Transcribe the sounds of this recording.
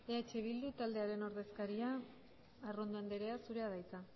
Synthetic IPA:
eat͡ʃeβild̪ut̪ald̪e̞aɾe̞no̞ɾðe̞skaɾiaː | rond̪oend̪eɾe̞asuɾe̞aðajt͡sa

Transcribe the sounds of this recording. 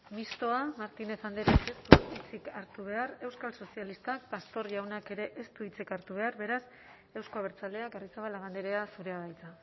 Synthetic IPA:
mist̪o̞amaɾt̪ine̞θand̪eɾake̞st̪uit͡sikaɾt̪uβ̞e̞are̞wskalso̞sialist̪ak̚past̪o̞ɾʝawnake̞ɾe̞ʔest̪uit͡sikaɾt̪uβ̞e̞aɾβe̞ɾas | e̞wsko̞aβ̞eɾt͡sale̞akarit͡saβalaβ̞and̪eɾe̞asuɾe̞aβajt͡sa

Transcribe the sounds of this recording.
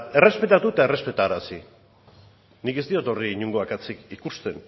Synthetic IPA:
e̞re̞spe̞t̪at̪uet̪ae̞re̞spe̞t̪aːɾasi | nike̞zt̪io̞t̪o̞riiɲuŋɡoakat͡sikikust̪e̞n

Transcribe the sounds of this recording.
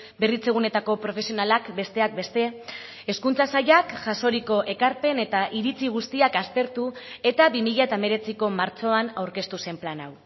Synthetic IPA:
be̞rit͡se̞ɣ̞une̞t̪ako̞pɾo̞fe̞sio̞nalakbe̞st̪e̞ak̚be̞st̪e̞ | eskunt͡sasaʎakʝaso̞ɾiko̞ʔe̞kaɾpe̞ne̞t̪aʔiɾit͡siɣ̞ust̪iakast̪e̞ɾt̪ue̞t̪aβimiʎaet̪aeme̞ɾe̞t͡siko̞maɾt͡so̞anawɾke̞st̪use̞mplanaw

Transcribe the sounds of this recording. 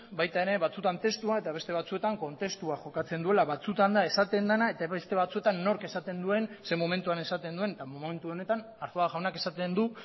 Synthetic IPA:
bajt̪aeɾe̞βat͡sut̪ant̪e̞st̪uae̞t̪aβe̞st̪e̞β̞at͡sue̞t̪aŋko̞nt̪e̞st̪uaʝo̞kat͡se̞nd̪ue̞laβat͡sut̪and̪ae̞sat̪e̞nd̪anae̞t̪aβe̞st̪e̞βat͡sue̞t̪anːo̞ɾke̞sat̪e̞nd̪ue̞nse̞mome̞nt̪uane̞sat̪e̞nd̪ue̞net̪amome̞nt̪uo̞ne̞t̪an | aɾθoaʝawnake̞sat̪e̞nd̪u

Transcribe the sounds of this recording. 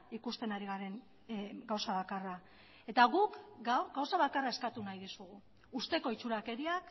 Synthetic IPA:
ikust̪e̞naɾiɣaɾe̞ŋ | ɡawsaβakara | e̞t̪aɣukɡaɡawsaβakarae̞skat̪unajðisuɣ̞u | ust̪e̞ko̞it͡ʃuɾake̞ɾiak

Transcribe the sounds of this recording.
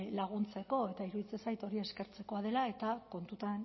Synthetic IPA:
laɣ̞unt͡se̞ko̞e̞t̪aiɾuðit͡sesajt̪o̞ɾie̞ske̞ɾt͡se̞ko̞aðe̞lae̞t̪ako̞nt̪ut̪an

